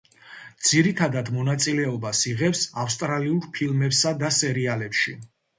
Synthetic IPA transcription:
d̪z̥iɾit̪ʰad̪ad̪mɔnat̪sʼilɛɔbasiʁɛpsafst̪ʼɾaliuɾpʰilˠmɛpsad̪asɛɾialɛpʃi

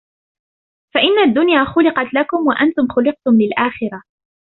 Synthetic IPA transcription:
faʔɪnːad̪ːʊnjaːxʊlɪqɑt̪lakʊmwaʔant̪ʊmxʊlɪq̚t̪ʊmlɪlʔaːxɪɾɑ

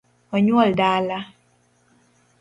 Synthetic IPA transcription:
ɔɲuɔldaːla

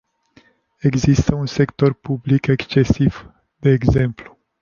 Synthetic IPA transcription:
e̞ɡzist̪əunse̞kt̪o̞rpublikekst͡ʃe̞siv̥ | d̪̥e̞ːɡze̞mplu̥

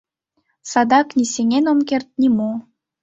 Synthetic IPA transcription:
sɑd̪ɑknʲisʲenʲenomkert̪̚nʲimo

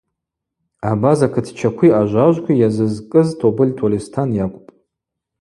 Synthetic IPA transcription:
abazakʰɨtʰt͡ʃʰakʷʰiaʒʷaʒʷkʷʰijazɨzkʼɨztʰobɨlʲtʰolʲistʰanjakʷʼʊpʼ

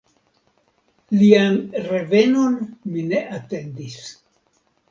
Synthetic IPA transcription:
lianɾe̞ve̞no̞nmine̞ʔate̞ndis

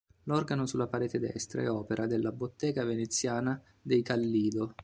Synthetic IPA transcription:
lɔrɡanosulːapaɾɛːt̪ed̪ɛ̰st̪ɾa̰ɛɔːpeɾʔad̪elːabot̪ːɛːɡavenet̪sːjaːna | d̪ejkalːiːd̪o

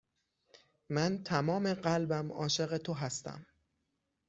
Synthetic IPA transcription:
mænt̪ʰæmɒːmeɢælbæmɒːʃe̞ɣe̞t̪ʰoɦæst̪æ̰m

